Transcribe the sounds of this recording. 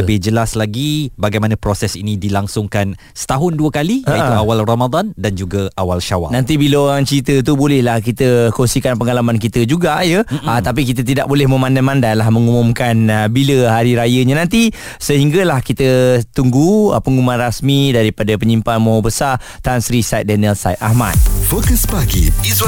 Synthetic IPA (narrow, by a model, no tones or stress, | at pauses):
ləbɪhd͡ʒəlaslaɡibaɡajmanãpɾosɛsinidilaŋsʊŋkan | sə̥t̪aɦʊnduəkalijaait̪uawalromad̪andand͡ʒuɡaawalʃawa̰nãnt̪̬ibilaoɾaŋt͡ʃiɾit̪ət̪̬ubolɛhlahkit̪əkosikanpəŋalamankit̪əd͡ʒuɡajət̪ap̬ikit̪̬ət̪̬ida̰ʔ̚bolɛhmə̃mãndamãndalahmə̃ŋumʊ̃mkanbiləɦaɾiɾajəɲãnãnt̪i | səɦiŋɡalahkit̪ət̪uŋɡuə̰pəŋumãnrasmidaɾipadapəɲimpanmõɦɔbəsat̪ansɾisajt̪̚danəlsajt̪ahma̰t̪̚fokəsbaɡḭ